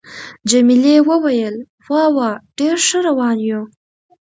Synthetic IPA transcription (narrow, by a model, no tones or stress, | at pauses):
d͡ʒamilewəwajəl | wɑwɑɖ̥eɾʂəɾawɑnju